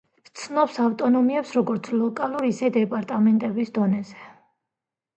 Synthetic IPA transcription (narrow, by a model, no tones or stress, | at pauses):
t̪sʰnɔpsaft̪ʼɔnɔmiɛpsɾɔɡɔɾt̪sʰlɔkʼalˠuɾisɛd̪ɛpʼaɾt̪ʼamɛnt̪ʼɛbisd̪ɔnɛzɛ